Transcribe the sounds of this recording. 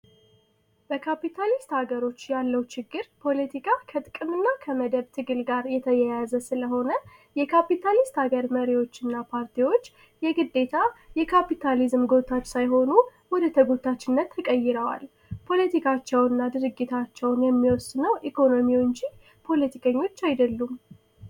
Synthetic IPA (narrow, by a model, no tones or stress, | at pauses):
b̥əkʰapit̪ʰalist̪haɡəɾo̞t͡ʃːjalːəwt͡ʃɪɡːɨɾpʰo̞lət̪ʰikʰakʰət̪ʼɨkʼːɨmɨnːakʰəməd̪əβt̪ʰɨɡɨlɡaɾjɛt̪ʰəjɛjazəsɨləɦo̞nə | jɛkʰapit̪ʰalist̪haɡəɾməɾiwo̞t͡ʃːɨnːapʰaɾt̪ʰiwo̞t͡ʃː | jɛɡɨd̪ːe̞t̪ʰajɛkʰapit̪ʰalizmɡo̞t̪ʰat͡ʃːsajɦo̞nuwɔd̪ət̪ʰəɡot̪ʰːat͡ʃːɪnːət̪ʰːəkʼəjːɪɾəwa̰l | pʰo̞lət̪ʰikʰat͡ʃːɛwɨnːad̪ɨɾɨɡːit̪ʰat͡ʃːɛwnjɛmːiwɔsɨnəwʔikʰo̞no̞miwɨɲd͡ʒi | pʰo̞lət̪ʰikʰəɲːo̞t͡ʃːajd̪əlːum